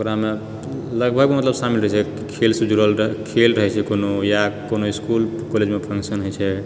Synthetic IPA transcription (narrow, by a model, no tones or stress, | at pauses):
okɾame | ləɡ̚bʱəɡ̚memət̪ləbsamilɾəɦɛt͡ʃʰɛ | kʰelsəd͡ʒuɾəlkʰelɾəɦɛt͡ʃʰɛkonojakonoiskul | koled͡ʒmepʰə̃ŋksənɦojt͡ʃʰɛ